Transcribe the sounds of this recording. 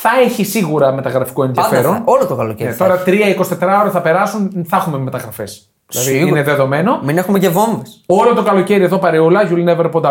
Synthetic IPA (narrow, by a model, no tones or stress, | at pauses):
θɐe̞çisiɣuɾɐme̞t̪ɐɣɾɐfi̥koe̞nðiɐfeɾo̞nolot̪okɐlocenet̪o̞ɾɐt̪ɾiɐikosi̥t̪e̞t̪ɾɐoɾɐθɐpe̞ɾɐsunθɐxume̞me̞t̪ɐɣɾɐfe̞s | lɐðiineðeðo̞me̞nominexumeʝevo̞ɱveso̞lot̪o̞kɐlo̞ce̞ɾieðo̞pɐɾeulɐʝulineveɾopond̪ɐ